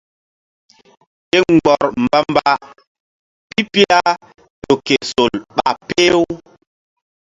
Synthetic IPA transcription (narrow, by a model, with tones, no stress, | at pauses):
ɗe˦ŋ˨ɡ͡bɔ˨ɾmba˦mba˨ | pi˦pi˦la˦ | ɗo˨ke˨so˨lɓa̰˨pe˦w